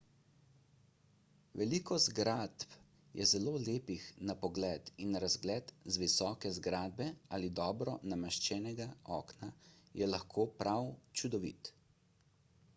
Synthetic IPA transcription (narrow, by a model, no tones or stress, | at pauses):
ʋɛlikɔzɡɾat̪p | jʔɛ̰zɛloːleːpixnapɔɡlɛːt̪inːaɾazɡlɛːt̪zʋisɔːkɛzɡɾaːd̪̚bɛaːlid̪ɔːbɾɔnamɛʃt͡ʃɛːnɛɡaɔ̰ːknajɛlaxkʰoːpɾʔawt͡ʃud̪ɔʋḭt̪